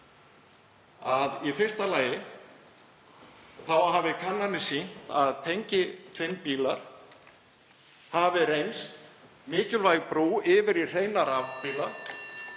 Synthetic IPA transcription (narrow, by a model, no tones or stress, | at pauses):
aðifɪr̥st̪alaːjɪ | θawɦaːvɪkʰanːanɪsin̥t̪a̰ðt̪ʰejɲcɪt̪ʰvɪnpiːlaɾ̥ | havɪrejnst̪ | mɪːcʏlvajɣpɾuːɪvɪɾir̥ejnaɾavpiːlaɾ̥